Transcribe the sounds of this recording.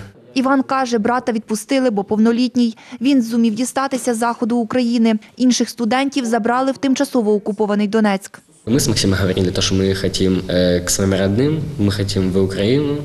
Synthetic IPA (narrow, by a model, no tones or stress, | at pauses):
iʋɑnkɑʒɛbɾɑt̪ɐʋʲid̪̚pʊst̪ɪlˠɪbɔpɔwnɔlʲitʲnʲijʋʲinzʊmʲiwdʲist̪ɑt̪ɪsʲɐzɑxɔd̪ʊːkɾɐjinɪinʃɪxst̪ʊd̪ɛnʲtʲiwzɐbɾɑlˠɪwt̪ɪmt͡ʃɐsɔʋɔɔkʊpɔʋɐnɪjd̪ɔnɛt͡sʲk | mɪsmɐksʲimɐɦɐʋɔɾʲimd̪lʲɐt̪ɔɔʃt͡ʃɔmɪxɐtʲimksɐɛmɾɐd̪nɪmmɪxɐtʲimʋʊkɾɐjinʊ